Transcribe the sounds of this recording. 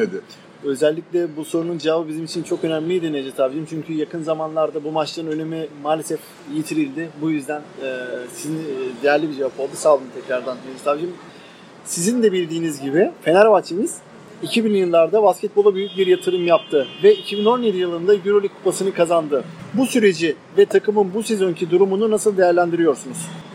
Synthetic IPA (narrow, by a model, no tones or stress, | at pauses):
d̪ | ø̞zælʲːiclʲɛbuso̞ɾunund͡ʒevabɯbizimit͡ʃʰint͡ʃʰo̞kø̞næmlʲid̪ined͡ʒet̪ʰavd͡ʒimt͡ʃʰyɲcʰyjakʰɯnzamanlˠaɾd̪abumat͡ʃlˠaɾɯnø̞ne̞mimaːlʲesɛf | jit̪ʰiɾilʲd̪ɪbujyzd̪ænːsizind̪e̞jæɾlʲibid͡ʒevapolˠd̪ɯsaːlˠɯnt̪ʰɛcɾaɾd̪anned͡ʒɛt̪ʰavd͡ʒim | sizind̪ɛbilʲd̪iːnizɟibife̞naɾavat͡ʃʰimiz̥ | icʰibinjɯlˠːaɾd̪avascɛt̪̚bo̞lˠabyjyc̚biɾjat̪ʰɯɾɯmjap̚t̪ʰɯvɛicʰibino̞nje̞d̪ijɯlˠɯnd̪aɟyɾo̞lʲikːʰupasɯnɯkʰazand̪ɯbusyɾe̞d͡ʒi | vɛt̪ʰakɯmɯnbusezo̞ncʰid̪uɾumununasɯlˠd̪e̞jæɾlʲænd̪iɾijo̞ɾsunuz̥